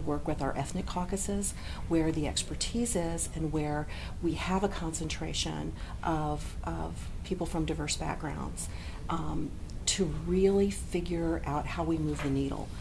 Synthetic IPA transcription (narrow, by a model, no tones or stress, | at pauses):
wɜ˞kwɨðaʊə̰˞ʔɛθnɨkʰɑkɨsɪz̥ | wə˞ðiɛ̰kspə˞tʰizɪzɨ̃nwə˞ | wiɨvəkʰɑ̃nsɨ̃ntʰɹ̥eɪʃɨ̰̃n | ʔʌv̥ʔʌv̥pʰipl̩ˠfɹʌ̃mdaɪvɜ˞sb̥æ̰k̚ɡ̥ɹã̰ʊ̃ndz̥ | tʰɨɹɪlˠifɪɡjə˞ʔaʊt̚haʊwimʉvðɨniɾl̩ˠ